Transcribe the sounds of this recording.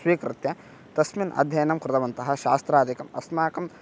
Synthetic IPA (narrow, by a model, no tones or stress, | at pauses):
sʋiːkɾɪt̪jɐ | t̪ɐsminɐ̰d̪ʱjɐjɐnɐmkɾɨd̪ɐʋɐnt̪ɐɦɐ̆ʃaːst̪ɾaːd̪ikɐmɐ̰smaːkɐm